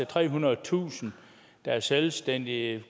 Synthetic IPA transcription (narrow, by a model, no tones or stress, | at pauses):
et͡sʰʁɛ̰ːɦunɐð̩t͡sʰṵːsn̩ | d̥ɑæɐselsd̥en̰d̥i